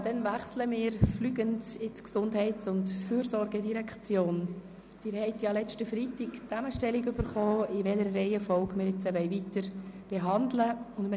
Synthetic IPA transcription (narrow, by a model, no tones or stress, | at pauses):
d̥ɛnvæχsləmɪːɾflyːɡəndɪtksʊndɦɛɪtsʊntfyːɾsɔɾɡɛdiɾɛkʰt͡sjoːn | d̥ɪːɾhɛɪtjɑlɛt͡ʃtəfritɪkt͡sæməʃtɛlːiɡʏb̥əɾχɔːɪvɛləɾːɛɪəfɔlɡmɪːɾjɪt͡səʋɛɪvitəɾb̥eɦɑndləʊnm